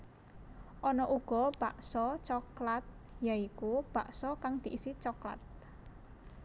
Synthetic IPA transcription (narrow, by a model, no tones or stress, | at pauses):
ʔɔnɔʔuɡ̥ɔ̤b̥aʔsɔt͡ʃɔklat̪̚jaikub̥a̤ʔsɔkaŋd̪̥i̤ʔisit͡ʃɔkla̰t̪̚